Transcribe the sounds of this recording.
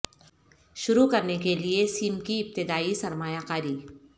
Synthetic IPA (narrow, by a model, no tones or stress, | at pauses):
ʃʊɾukɐɾnekeliesiːmkiɪp̚t̪ɪd̪aːisɐɾmaːjakaːɾiː